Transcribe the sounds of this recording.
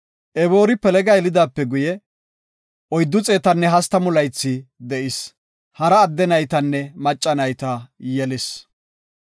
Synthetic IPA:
ʔɛbo̞ːɾɪpɛlɛɡɐjɛlɪd̪aːpːɛɡʊjɛ | ʔɔjd̪ːʊt͡sʼe̞ːt̪ɐnːɛɦɐst̪ɐmʊlɐjt͡sːɪd̪ɛʔɪs | hɐɾɐːd̪ːɛnɐjt̪ɐnːɛmɐt͡ʃʼːɐnɐjt̪ɐjɛlɪs

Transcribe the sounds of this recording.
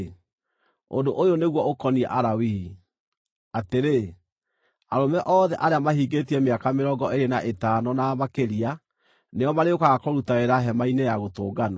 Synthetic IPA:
o̰ndoʔojoneɣwɔokɔniɛ̰ʔaɾawi | ateɾe | aɾomɛʔɔːðɛʔaɾeamaɦiɡetiɛmeakameɾɔɡɔeɾenaʔetanɔnamakeɾia | neɔmaɾeokaɣakɔɾutaeɾaɦɛmainejaɣotoːɡana

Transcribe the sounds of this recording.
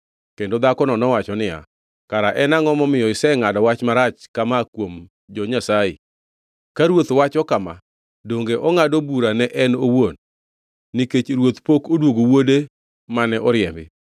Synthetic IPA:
kendod̪akɔnɔnɔwat͡ʃɔnɪja̰ | kaɾaʔɛnaŋɔmɔmɪjɔɪsɛŋadɔwat͡ʃmaɾat͡ʃkamakwom | d͡ʒɔɲasajɪ̰ | kaɾwot̪wat͡ʃɔkama̰ | doŋɡeʔɔŋadobuɾanɛʔɛnowonː | ɪket͡ʃɾwot̪pokodwoɡowode | manɛʔɔɾjɛmbɪ

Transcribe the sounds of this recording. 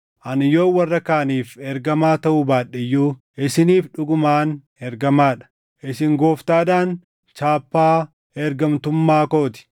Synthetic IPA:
ʔɐnɪjo̞ːwɐrːɐkaːniːfɛɾɡɐmaːt̪ɐʔʊbaːɗːɪjːuː | ɪsɪniːfᶑʊɡʊmaːn | ɛɾɡɐmaːᶑɐ̥ | ʔɪsɪŋɡo̞ːft̪aːd̪aːn | t͡ʃaːpːaː | ɛɾɡɐmt̪ʊmːaːko̞ːt̪ɪ̥

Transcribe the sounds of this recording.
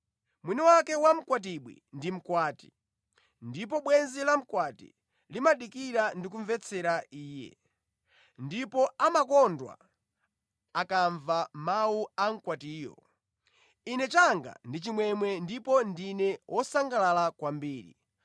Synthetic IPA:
mwiniwakɛwam̩kwat̬iɓwḭndim̩kwaːti̥ | ndip̬ɔɓwɛnzilam̩kwatḭ | limaɗikiɾandik̬uɱvɛt͡sʰɛɾaiːjɛ̰ | ndipɔamakɔndwa̰ | akaɱvamawuam̩kwatiːjɔ̰ | inɛt͡ʃaŋɡa̰ndit͡ʃimwɛmwɛndipɔndinɛwʔɔsaŋɡalalakwambiːɾḭ

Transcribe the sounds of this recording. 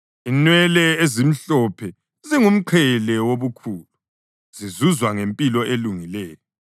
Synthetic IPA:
inwɛlɛezim̩ɬɔpʰɛ | ziŋum̩ǃʰɛlɛwoβukʰuːlu | z̥izuzwaŋempʼilɔʔeluŋilɛːjɔ

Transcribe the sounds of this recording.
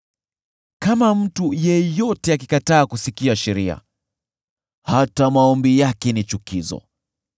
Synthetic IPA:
kamam̩tujɛjɔtɛakikataːkusikiaʃɛɾia̰ | hatamaɔmbijakɛnit͡ʃukizɔ̰

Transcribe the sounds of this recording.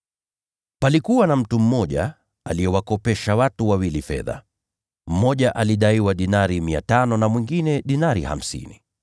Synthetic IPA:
palikuwanam̩tum̩mɔʄa̰ | a̰liɛwakɔpɛʃawatuwawilifɛ̰ða̰ | m̩mɔʄaʔaliɗaiwaɗinaɾimia̰tanɔnamwiŋɡinɛɗinaɾḭha̰m̩sḭni

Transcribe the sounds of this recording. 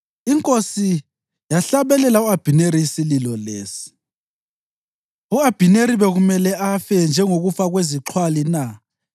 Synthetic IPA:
iŋkʼosi | jaɬaβɛlɛlauab̥ʱineɾiisililɔleːsi̥ | uab̥ʱineɾiβɛɣumɛlɛafɛnd͡ʒʱɛŋoɣufaɣweziǁʰwalina

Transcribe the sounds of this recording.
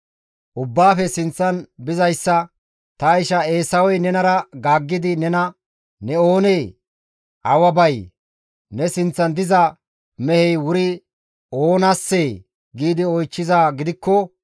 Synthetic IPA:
ʔʊbːaːfɛsɪnt͡sːɐnbɪzɐjsːɐ | t̪ɐɪʃɐe̞ːsɐwɔjnɛnɐɾɐɡaːɡːɪd̪ɪnɛnɐ | nɛo̞ːneː | ʔɐwɐbɐj | nɛsɪnt͡sːɐnd̪ɪzɐ | mɛhɛjwʊɾɪ | oːnasːeː | ɡiːd̪ɪɔjt͡ʃːɪzaːɡɪd̪ɪkːɔ

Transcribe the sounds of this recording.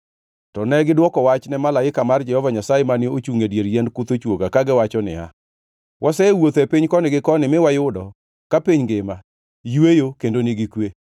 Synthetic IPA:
tɔnɛɡɪdwɔkɔwat͡ʃnɛmalaɪkamard͡ʒɛhɔvaɲasajemanɪot͡ʃuŋedjeɾjɛndkut̪ot͡ʃwoɡakaɡɪwat͡ʃɔnɪ̰a̰ | wʔasɛwot̪ɛpiɲkɔnɪɡɪkɔnɪmɪwajʊdɔ | kapiɲɡɪma | jwejokendonɪɡɪkwe

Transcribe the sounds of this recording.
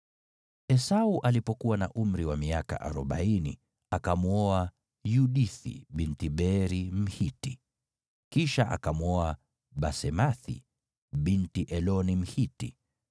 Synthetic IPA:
ɛsauʔalipɔkuwanaʔum̩ɾiwamiaka̰ʔa̰ɾɔɓainḭ | akamuɔa | juɗiθḭɓintiɓɛɾim̩hiti | kiʃaʔa̰kamuɔa | ɓasɛmaθḭ | ɓintiʔɛlɔnim̩hitḭ

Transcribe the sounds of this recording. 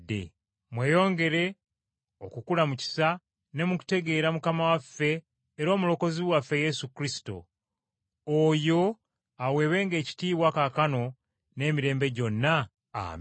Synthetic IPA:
dːḛ | mwe̞ːjo̞ːŋɡe̞ɾe̞ | okukulamuci̥sa | ne̞muku̥te̞ɡe̞ːɾamukamawafːe̞ː | ɾo̞ːmulo̞ko̞ziβwafːe̞je̞sukɾisi̥to̞̰ | ojo̞ | awe̞ːβe̞ːŋɡe̞ːci̥tiːβwakakano̞ | ne̞ːmiɾe̞ːmbe̞ɟo̞nːa | a̰

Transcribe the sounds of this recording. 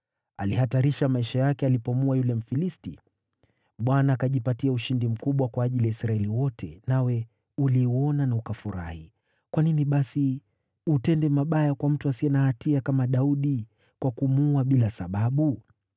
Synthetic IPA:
a̰lihataɾiʃamaiʃajakɛalipɔmuajulɛm̩filisti | ɓwanaːkaʄipatiauʃindim̩kuɓwakwaːʄiliaisɾaɛliwɔtʰɛ̰nawɛ | uliuɔnanaukafuɾa̰hḭ | kwaniniɓasi | utɛndɛmaɓajakwam̩tuasiɛnahatiakamaɗauɗi | kwakumuaɓilasaɓaɓu

